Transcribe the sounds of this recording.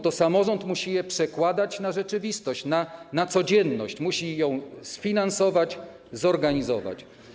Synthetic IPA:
t̪ɔsamɔʐɔnt̪muɕijɛpʂɛkwad̪at͡ɕnaʐɛt͡ʂɘvʲist̪ɔɕt͡ɕnanat̪sɔd͡ʑɛnːɔɕt͡ɕmuɕijɔ̃w̃sfʲinansɔvat͡ɕ | zɔɾɡaɲizɔva̰t͡ɕ

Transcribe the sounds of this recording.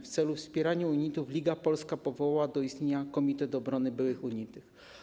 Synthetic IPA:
ft̪sɛlufspʲjɛɾaɲauɲit̪uflʲiɡapɔlskapɔvɔwawad̪ɔist̪ɲeɲakɔmʲit̪ɛt̪ɔbɾɔnɘbɘwɘxuɲit̪ɘx

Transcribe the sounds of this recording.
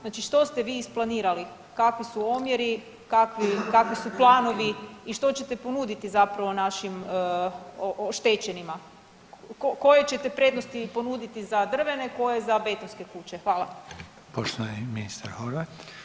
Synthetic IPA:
znaːt͡ʃiʃt̪o̞st̪e̞ʋiːsplˠaniːɾali | kakʋisuo̞mjeɾi | kakʋikakʋisuplˠaːno̞ʋiiʃt̪o̞t͡ɕet̪e̞po̞nuːd̪it̪izapɾaʋo̞naʃim | oʔoʃt̪e̞t͡ɕe̞nima | koko̞je̞t͡ɕe̞t̪e̞pɾe̞ːd̪nost̪ipo̞nud̪it̪izad̪r̩ʋe̞ne̞ko̞je̞zabe̞t̪onske̞kut͡ɕe̞xʋaːlˠa̰ | poʃt̪oniminist̪aɾxoɾʋat̪

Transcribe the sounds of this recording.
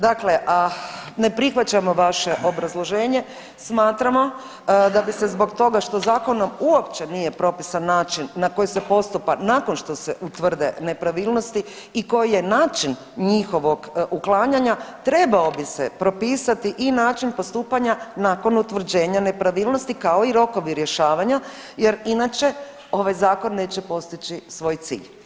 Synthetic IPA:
d̪akle̞ʔane̞pɾixʋat͡ɕamo̞ʋaʃe̞ʔo̞bɾazlˠo̞ʒe̞ːɲe̞ | smaːt̪ɾamo̞ | d̪abisezbo̞ɡt̪o̞ɡaʃt̪o̞zaːko̞nːomuopt͡ɕe̞nije̞pɾo̞pisanːaːt͡ʃinːako̞jisepo̞st̪upanaːko̞nʃt̪o̞seʔut̪ʋr̩d̪enepɾaʋiːlno̞st̪i | iko̞jije̞naːt͡ʃin | ɲixo̞ʋo̞ɡuklˠaːɲaɲat̪ɾe̞baobisḛpɾo̞piːsat̪iʔinaːt͡ʃinpost̪uːpaɲanaːko̞nut̪ʋr̩d͡ʑe̞ːɲane̞pɾaʋiːlno̞st̪ikao̞iɾo̞ko̞ʋiɾjeʃaːʋaɲa | je̞ɾinat͡ʃe̞ | o̞ʋajzaːko̞nːe̞ːt͡ɕepo̞st̪it͡ɕisʋo̞jt̪sḭːʎ

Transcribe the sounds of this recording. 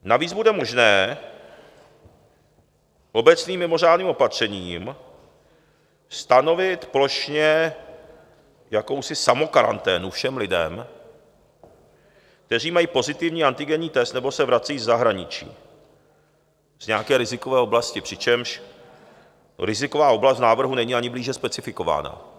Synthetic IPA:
naviːd͡zbudɛmo̞ʒnɛː | ʔo̞bɛt͡sniːmːɪmor̝aːdniːmo̞pat̪r̝̥ɛɲiːm | st̪ano̞vɪt̪plo̞ʃɲɛ | jako̞wsɪsamo̞kaɾa̰nt̪ɛːnufʃɛmlɪdɛ̰m | k̚t̪ɛr̝iːmajiːpo̞zɪt̪ɪvɲiːant̪ɪɡɛɲiːt̪ɛst̪nɛbo̞sɛvɾat͡sɛjiːzzaɦɾaɲɪt͡ʃḭː | z̥ɲɛakɛːɾɪzɪkovɛːo̞blascɪpr̥ɪt͡ʃɛmʃ | ɾɪzɪko̞vaːo̞blast̪vnaːvr̩ɦunɛɲiːaɲɪbliːʒɛspɛt͡sɪfɪko̞va̰ːna̰

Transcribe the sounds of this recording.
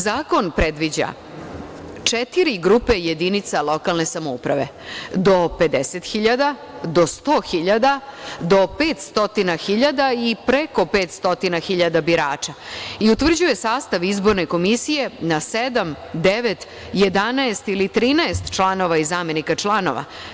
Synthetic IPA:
zaːko̞npɾed̪ʋid͡ʑa̰ | t͡ʂet̪iɾiɡɾupe̞jed̪init̪salo̞kalˠne̞samoupɾaʋe̞̰ | d̪o̞pe̞d̪eset̪xiʎad̪ad̪o̞st̪o̞ːxiʎad̪ad̪o̞peːt̪st̪o̞t̪inaxiʎad̪aipɾeko̞pe̞ːt̪st̪o̞t̪inaxiʎad̪abiɾaːt͡ʃaiut̪vr̩d͡ʑuje̞saːst̪aʋizbo̞ɾneko̞misije̞nased̪am | d̪eʋet̪ | je̞d̪anaest̪ilit̪ɾiːnaest̪t͡ʃlˠano̞ʋaizaːme̞nikat͡ʃlˠano̞̰ʋa̰

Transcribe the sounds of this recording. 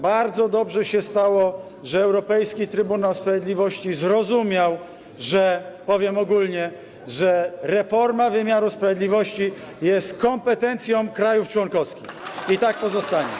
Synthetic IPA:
baɾd̪zɔd̪ɔbʐɛɕɛst̪awɔ | ʐɛːwɾɔpɛjskʲit̪ɾɘbunawspɾavʲjed̪lʲivɔɕt͡ɕizɾɔzumʲjaw | ʐɛpɔvʲjɛmɔɡulɲɛ | ʐɛɾɛfɔɾmavɘmʲjaɾuspɾavʲjed̪lʲivɔɕt͡ɕi | jɛst̪kɔmpɛt̪ɛnt̪sʲjɔ̃w̃kɾajuft͡ʂwɔnkɔfskʲixit̪ak̚pɔzɔst̪aɲɛ

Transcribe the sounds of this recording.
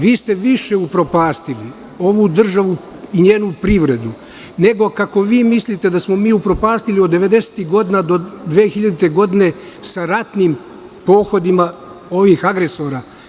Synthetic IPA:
ʋiːst̪e̞ʋiʃe̞upɾo̞paːst̪ili | o̞ʋud̪r̩ʒaʋu | iɲe̞ːnupɾiʋɾe̞d̪u | ne̞ɡo̞kako̞ʋiːmislit̪ed̪asmomiːupɾo̞paːst̪iliod̪ːeʋe̞d̪e̞se̥t̪iɦɡo̞d̪inad̪o̞d̪ʋeːxiʎad̪it̪e̞ɡo̞d̪ine̞ | saɾat̪niːm | po̞ːxo̞d̪ima | o̞ʋiːxaɡɾe̞so̞ːɾaː

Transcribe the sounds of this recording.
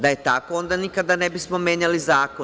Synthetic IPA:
d̪ajet̪ako̞o̞nd̪anikad̪anebismo̞mʲjeɲalizaːko

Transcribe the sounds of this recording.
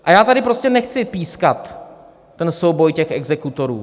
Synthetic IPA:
ʔajaːt̪adɪpɾoscɛnɛxt͡sɪpiːskat̪ː | ɛnsowbo̞jcɛxɛɡzɛkut̪o̞ɾṵː

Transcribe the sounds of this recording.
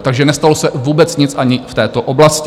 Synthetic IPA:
t̪aɡʒɛnɛst̪alosɛvuːbɛt͡sɲɪt͡sʔaɲɪft̪ɛːt̪o̞ʔoblasc

